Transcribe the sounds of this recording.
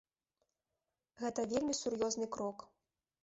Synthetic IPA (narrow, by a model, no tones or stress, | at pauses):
ɣɛt̪ɐvʲelʲmʲisurjɔznɨkɾɔk